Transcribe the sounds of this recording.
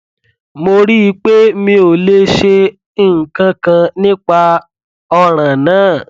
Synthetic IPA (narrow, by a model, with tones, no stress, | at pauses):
mo˧ɾi˦i˦k͡pe˦mĩ˦o˨le˦ʃe˧ | ĩ˦˨ŋ̩˨kã˧kã˧nĩ˦k͡pa˧ | ɔ˧ɾ̃ã˨nãː˨˦˨